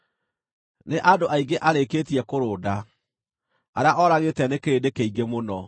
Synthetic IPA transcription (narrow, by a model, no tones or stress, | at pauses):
neʔadoʔaiɡeʔaɾekeːtiɛkoɾoːda | aɾeaʔɔɾaɣetɛnekeɾedekeiɡemonɔ